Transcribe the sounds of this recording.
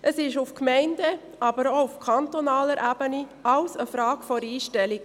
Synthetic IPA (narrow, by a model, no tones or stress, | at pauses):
ʔəsɪʃufkmɛɪndə | ʔɑbəɾoufkʰɑnt̪onɑːləɾʔæb̥əniɑʊsəfɾɑːɡfɔɾiːʃtɛliɡ